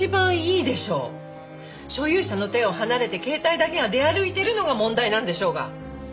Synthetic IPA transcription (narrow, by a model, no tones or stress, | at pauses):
ibãɰ̃iːd̪e̞ɕo̞ː | ɕo̞jɯ̟ːɕano̞t̪ẽ̞o̞hanaɾe̞t̪e̞ke̞ːt̪aid̪ake̞ɡad̪e̞aɾɯ̟it̪e̞ɾɯ̟no̞ɡamõ̞nd̪ainãnd̪e̞ɕo̞ːɡa̰